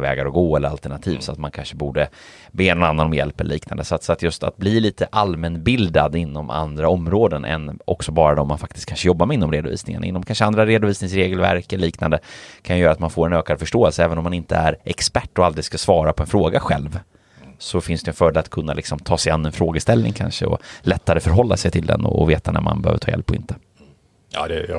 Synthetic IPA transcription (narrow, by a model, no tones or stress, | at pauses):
vɛ̰ːɡaɾɔɡoːɛlːəɾa̰lt̪ɛɳat̪ʰḭːvsɔat̪mankʰanʂəbuːɖə | beːɛnɔnanːanɔmjɛ̰lpɛlliːkna̰nd̪əsat̪sat̪jɵst̪a̰t̪̚bliːliːt̪ʰəʔalmɛnbɪld̪a̰d̪ɪnːɔma̰nd̪ɾaɔmːɾoːd̪ənʔɛ̰nʔɔksɔbɑːɾad̪ɔmːanfak̚t̪ɪst̪̚kʰanʂəjɔbːamɛɪnːɔmɾeːd̪ʊvḭːsnɪ̰ŋa̰nɪ̰nːɔmkʰanʂəand̪ɾaɾeːd̪ʊviːsnɪŋsɾeːɡəlvæ̰ɾkɛliːknand̪əkʰanjʏjœːɾat̪manfoːɾɛnøːkad̪fœʂʈoːɛlsəɛːvənɔmanɪnt̪əæɾʔɛkspæʈːɔald̪ɾɪɡ̪skasvɑːɾapʰɔɛnfɾoːɡaɧɛlv | sɔfɪnsd̪ɛnfœːd̪lat̪kʰɵnːalɪksɔmt̪ʰɑːsɛjanːɛnfɾoːɡəst̪ɛlnɪ̰ŋkʰa̰nʂə̰ɔ̰lɛt̪ːaɾəfœɾɦɔlːa̰sɛjt̪ʰɪld̪ɛ̰nɔ̰veːt̪anæ̰ɾma̰nbɛø̰ːvəʈʰːjɛ̰lpʰːɔɪ̰nt̪ə̥ | a̰d̪ɛ